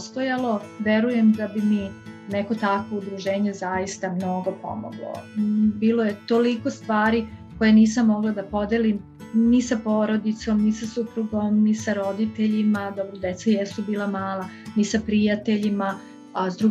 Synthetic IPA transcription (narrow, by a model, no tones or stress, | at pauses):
st̪ojalo̞ | ʋeɾujemd̪abimineko̞t̪akʋo̞ud̪ɾuʒeːɲezajist̪amnoɡo̞po̰mo̰ɡlo̰biːlˠojet̪o̞liko̞st̪ʋaːɾiko̞jeniːsamːo̞ɡlˠad̪apo̞d̪elim | nisapoːɾo̞d̪it̪so̞mnisasupɾuɡo̞mnisaɾo̞d̪it̪eʎimad̪obɾod̪et̪sajesubiːlˠamaːlˠa | nisapɾijat̪eʎima | azd̪ɾu